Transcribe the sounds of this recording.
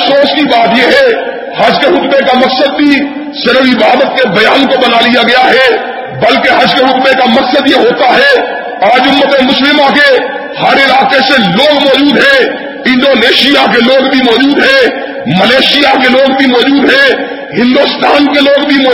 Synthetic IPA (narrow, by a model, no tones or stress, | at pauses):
soːskibaːt̪jeɦɛ | hɐd͡ʒkeɦʊk̪mekamɐksəd̪̚bʱi | sɪɾəfɪbaːd̪ət̪̚kebɐjaːnkobɐnalijaɡɐjaɦɛ | bɐlkeɦɐd͡ʒkeɦʊkmekamɐksəd̪jeɦoːt̪aɦɛː | aːd͡ʒʊmːət̪emʊslɪmake | hɐɾɪlaːkeseloːɡmɔːd͡ʒuːd̪ɦɛ̃ː | ɪ̃nɖoːneːʃɪijakeloːɡbʱimɔːd͡ʒuːd̪ɦɛ̃ː | məleːʃjakeloːɡbʱimɔːd͡ʒuːd̪ɦɛ̃ː | ɦɪ̃nd̪ost̪ʰaːnkeloːɡbʱimɔː